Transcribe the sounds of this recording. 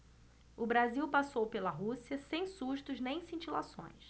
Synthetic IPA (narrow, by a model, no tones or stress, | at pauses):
ʊbɾaziwpasowpelɐɦusiɐsẽj̃suʃt̪ʊznẽj̃sĩnt͡ʃilasõ̰j̃s